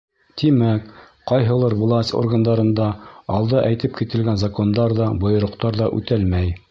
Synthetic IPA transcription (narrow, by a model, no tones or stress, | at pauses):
t̪imæk | qɑjɦɤ̆lˠɤɾvlˠɑsʲt̪ʲo̰rɡand̪ɑɾɤ̆nd̪ɑɑlˠd̪ɤʔæjt̪ɘpkit̪ɘ̆lɡænzɐko̞nd̪ɑɾðɑbŏjŏɾŏqt̪ɑɾðɑʔʉ̰t̪ælmæj